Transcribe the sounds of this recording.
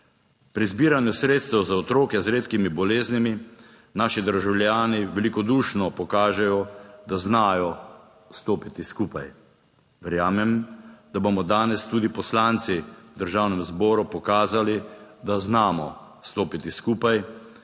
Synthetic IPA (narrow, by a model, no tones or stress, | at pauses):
pɾizbiːɾanjusɾeːt̪st̪ɛwzaɔt̪ɾoːkɛzɾeːt̪kimibɔleːznimi | naːʃid̪əɾʒawlʲjaːniʋɛlikɔd̪uːʃnɔpɔkaːʒɛjɔd̪aznaːjɔ | st̪oːpit̪iskuːpaj | ʋɛɾjaːmɛmd̪abomɔd̪aːnɛst̪uːd̪ipɔslaːnt̪sid̪əɾʒaːwnɛmzbɔːɾupɔkaːzalid̪aznaːmɔ | st̪oːpit̪iskuːpaj